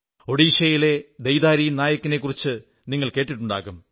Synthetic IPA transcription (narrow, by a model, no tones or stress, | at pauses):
o̞ɽiːʂɐjile̞d̪ejðaːɾiːjnaːjɐkːine̞kːurit͡ɕːɨ | niŋːɐɭke̞ːʈːiʈːuɳɖa̰ːɣum